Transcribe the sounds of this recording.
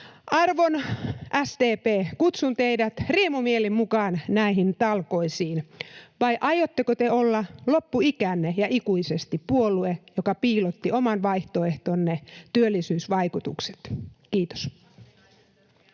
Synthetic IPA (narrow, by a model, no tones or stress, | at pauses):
ʔɑrʋonʔæst̪eːpeːkut̪sunt̪eidæt̪riemumielimmukɑːnnæiɦint̪ɑlkoisiːnʋɑiʔɑjot̪ːekot̪eolːɑlopːuikænːejɑʔikuisest̪ippuoluejokɑpiːlot̪ːiomɑnʋɑiht̪oeht̪onːet̪yølːisyːsʋɑikut̪ṵkse̥t̪kiːt̪o̥s